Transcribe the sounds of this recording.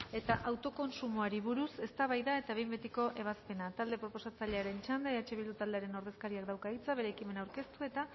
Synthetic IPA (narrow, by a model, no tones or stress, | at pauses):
e̞t̪aʔawt̪o̞ko̞nsumoaɾiβ̞uɾuse̞st̪aβajðae̞t̪aβe̞jmbet̪iko̞ʔe̞β̞aspe̞nat̪ald̪e̞pɾo̞po̞sat͡saʎe̞aɾe̞nt͡ʃand̪eeat͡ʃe̞βild̪ut̪ald̪e̞aɾe̞no̞ɾð̞e̞skaɾiakd̪awkait͡saβe̞ɾe̞ːkime̞nawɾke̞st̪ue̞t̪a